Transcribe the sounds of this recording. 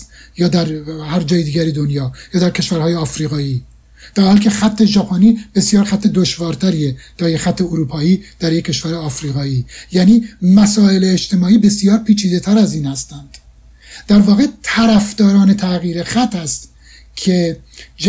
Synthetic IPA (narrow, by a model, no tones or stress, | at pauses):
jɒːd̪æɾhæɾd͡ʒɒːjed̪iːɟæɾid̪onjɒːjɒːd̪æɾkʰe̞ʃvæɾhɒːjeɒːfɾiːɣɒːiː | d̪̥æhælcʰe̞xæt̪ʰːe̞d͡ʒæpʰɒːniːb̥e̞sjɒːɾxæt̪ʰːed̪oʃvɒːɾt̪ʰæɾiːed̪̥æɾjexæt̪ʰːe̞oɾuːpʰɒːiːd̪̥æɾjecʲʰːe̞ʃvæɾeɒːfɾiːɣɒːiːjæːniːmæsɒːe̞leːt͡ʃt̪e̞mɒːiːbe̞sijɒːɾpʰiːt͡ʃʰiːd̪e̞t̪ʰæɾæziːnhæst̪ænd̪̥ | d̪̥æɾvɒːɣet̪ʰæɾæfd̪̥ɒːɾɒːne̞t̪ʰæɣiːɾexæt̪ʰːæst̪ | cʰed͡ʒ